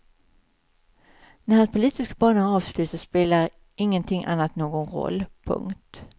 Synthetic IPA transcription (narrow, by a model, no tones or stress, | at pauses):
næɾhanspʰʊliːt̪ɪskabɑːɳənɑːvslʉ̟ːt̪əspeːlaɾ | ɪŋːənt̪ʰɪŋʔa̰nːat̪noːɡɔnɾɔ̰lːpʰɵ̰ŋkt̪